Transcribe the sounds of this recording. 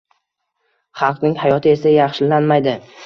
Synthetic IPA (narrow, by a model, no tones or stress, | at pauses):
χɑlˠqnɪŋhajɒt̪ʰɪe̞sajɑχʃɪlanmajd̪ɪ